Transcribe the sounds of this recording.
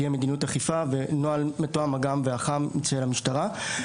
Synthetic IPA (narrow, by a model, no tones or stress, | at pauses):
jeme̞d̪inutaχifave̞noalmetoamaɡamveaχamːit͡saelamiʃtaʁa